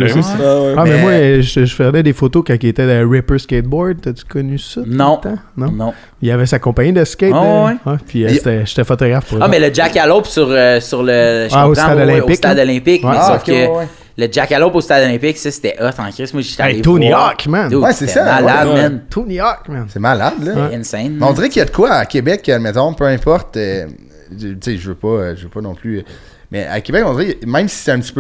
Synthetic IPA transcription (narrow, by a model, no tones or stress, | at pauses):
amɛmwaʒʒəfɛʁd̪ɛd̪efot̪okãkiet̪ɛəɹɪpə˞sket̪̚bɔɹd̪̚t̪ət͡sy̥kɔnysɔnɔ̃t̪ãnɔ̃nɔ̃ | ijavɛsakɔ̃paɲid̪əskʲewɛwɛpʰiset̪ɛʒe̥t̪ɛfɔt̪ɔɡʁafpuʁmɛləd͡ʒakalopsyʁəsyʁləʒaostãad̪ɔlɛ̃ɪsk̪ad̪ɔlɛ̃pɪkwmɛɛsɔfkə | ləd͡ʒakalopost̪ad̪ɔlɛ̃pɪksʌse̥t̪ɛʔɔt̪ɑ̃kʁɪsmwaʒt̪ait̪unɔʁkmɛnwɛsesʌmalad̪mɛnt̪ʰunyɔʁkmɛnsɛmalad̪lʌnsɛ̃nmɛɔ̃d̪ziʁɛkʲəjad̪əkwaːkʲebɛkəmɛt̪ɔ̃pøɛ̃pɔʁt̪ø | t͡seʒəvøpʌʒəvøpɔnɔ̃pʰly | mɛ̰a̰kʲebɛkɔ̃d͡z̪ziʁɛmɛ̃msi̥sɛɛ̃pt͡si̥pø